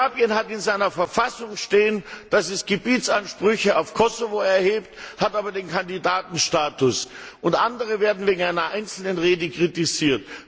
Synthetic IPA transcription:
abjənɦatɪnzaɪnɐfɛɐfasʊŋʃteːənd̥asɛsɡ̥əbiːt͡sanʃpʁ̥ʏçəaʊfkʰɔsovoɛɐheːpthataːbɐdeːnkʰandidaːtn̩ʃtaːtʊsʊntʔandəʁ̞əveːɐdn̩veːɡŋ̩aɪnɐʔaɪnt͡sl̩nənʁeːdəkʁ̥itiziːɐt

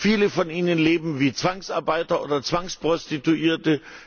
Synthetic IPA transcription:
fiːləfɔniːnənleːbm̩viːt͡sv̥aŋsʔaɐbaɪtɐʔoːdɐt͡sv̥aŋspʁ̥ɔstituʔiːɐtə

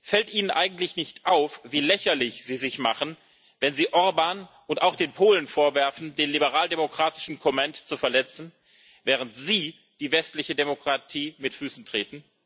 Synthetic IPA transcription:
fɛltʔiːnənʔaɪɡ̚ŋ̩tlɪçnɪçtʔaʊfviːlɛçɐlɪçz̥iːzɪçmaχən̩ | vɛnziːʔɔɐbaːnʔʊntaʊxd̥eːnpʰoːlənfoːɐvɛɐfn̩deːnlibəʁaːldemokʁ̥aːtɪ̥ʃn̩kʰɔmantt͡sufɛɐlɛt͡sn̩ | vɛːʁ̞əntz̥iː | d̥iːvɛstlɪçədemokʁ̥atʰiːmɪtfyːsn̩tʁ̥eːtn̩

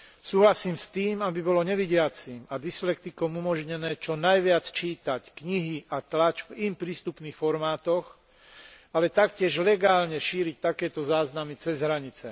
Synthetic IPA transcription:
suːɦlasiːmst̪iːmabibɔlɔɲɛʋiɟɪat͡simad̪islɛk̚t̪ikɔmumɔʒɲɛnɛːt͡ʃɔnajʋɪat͡st͡ʃiːt̪ackɲiɦiat̪lat͡ʃvimpɾiːst̪upniːxfɔɾmaːt̪ɔx | alɛt̪akcɪɛʒlɛɡaːlɲɛʃiːɾic̚t̪akɛːt̪ɔzaːznamit͡sɛzɦɾaɲit͡sɛ̰

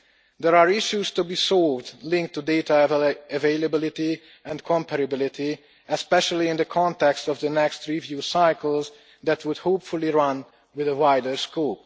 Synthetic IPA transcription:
d̪ɛɹaːɹɪʃjust̪ubiːsɔlvdlɪ̃ŋk̚t̪ːudet̪aɛveɪləbɪlɪt̪i | ɛ̃ndkʰɔ̃mpɛɾəbɪlɪt̪i | ɛspɛʃəliɪ̃nd̪əkʰɔ̃nt̪ɛkstɔvd̪ənɛkst̪ɹivjuːsaɪkəlˠz | d̪ɛt̪wud̪hoːpfuliɹʌ̃n | wɪðəwajdəɹskoːp̚

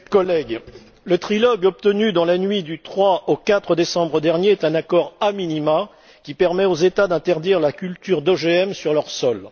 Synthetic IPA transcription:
kɔlɛɡ | lət̪χilɔɡɔp̚t̪ənyd̪ɑ̃lanɥid̪yt̪χwaʔokat̪χəd̪esɑ̃bʁəd̪ɛʁnjeɛt̪ɛ̃nakɔʁaminima | kʲipɛʁmɛozet̪ad̪ɛ̃t̪ɛʁd̪iʁlakʲylt̪yʁd̪ɔʒeɛmsyʁlœʁsɔl

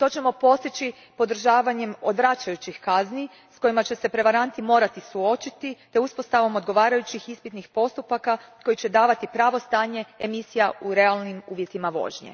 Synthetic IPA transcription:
t̪o̞t͡ɕe̞mo̞po̞st̪it͡ɕi | po̞d̪r̩ʒaːʋaɲe̞mo̞̰d̪ʋɾat͡ʃajut͡ɕixkazni | sko̞jimat͡ɕe̞se̞pɾe̞ʋaɾant̪imo̞ːɾat̪isuo̞t͡ʃit̪it̪e̞uspo̞st̪aʋo̞mo̞d̪ɡo̞ʋaːɾajut͡ɕixispit̪nixpo̞st̪upakako̞jit͡ɕe̞d̪aːʋat̪ipɾaːʋo̞st̪aːɲe̞emisijauɾe̞alˠnimuːʋje̞t̪imaʋo̞̰ʒɲḛ

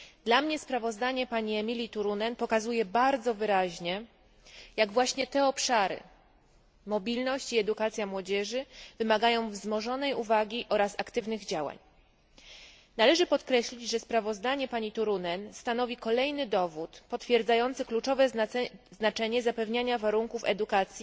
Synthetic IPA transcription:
d̪lamɲɛspɾavɔzd̪aɲɛpaɲiɛmʲilʲit̪uɾunɛnpɔkazujɛbaɾd̪zɔvɘɾaʑɲɛ | jaɡvwaɕɲɛt̪ɛɔpʂaɾɘ̰ | mɔbʲilnɔɕt͡ɕiɛd̪ukat̪sʲjamwɔd͡ʑɛʐɘvɘmaɡajɔ̃w̃vzmɔʐɔnɛjuvaɡʲiʔɔɾasakt̪ɘvnɘɣd͡ʑawa̰ɲ | nalɛʐɘpɔt̪kɾɛɕlʲid͡ʑʐɛspɾavɔzd̪aɲɛpaɲit̪uɾunɛnst̪an̪ɔvʲikɔlɛjnɘd̪ɔvut̪pɔt̪fʲjɛɾd̪zajɔnt̪sɘklut͡ʂɔvɛznat͡ʂɛɲɛzapɛvɲaɲavaɾuŋkufɛ̰d̪ukat̪sʲji

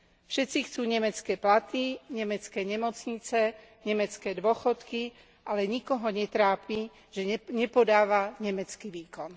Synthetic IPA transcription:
fʃɛtt͡sixt͡suːɲɛmɛt͡skɛːplat̪iɲɛmɛt͡skɛːɲɛmɔt͡sɲit͡sɛ | ɲɛmɛt͡skɛːd̪ʋʊɔxɔt̪ki | ʔalɛɲikɔɦɔɲɛt̪ɾaːpi | ʒ̥ɛɲɛpɔd̪aːʋaɲɛmɛt͡skiʋiːkɔn

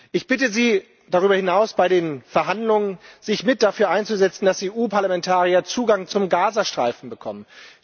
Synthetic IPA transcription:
ʔɪçb̥ɪtəziː | d̥aʁ̞yːbɐhɪnaʊsb̥aɪɾeːnfɛɐɦandlʊŋənzɪçmɪt̚d̥afyːɐʔaɪnt͡suzɛt͡sn̩d̥aseːʔuːpaɐlamɛntʰaːʁiɐt͡suːɡaŋt͡sʊmɡaːzɐʃtʁ̥a̰ɪfn̩bəkʰɔ̰mən

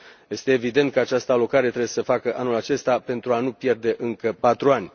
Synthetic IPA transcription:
je̞st̪e̞ːvid̪e̞nt̪̚kəat͡ʃast̪əalo̞kaɾe̞t̪ɾewjesəfakəʔanulat͡ʃe̞st̪ape̞nt̪ɾuanupje̞rd̪e̞ʔɨŋkəpat̪ɾuanʲ

